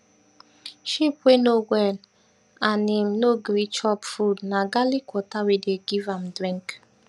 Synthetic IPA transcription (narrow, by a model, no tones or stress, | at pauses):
ʃipwenowɛn | anim̩noɡɾit͡ʃɔpfudnaɡalikʷɔtawedeɡivamdɾĩŋk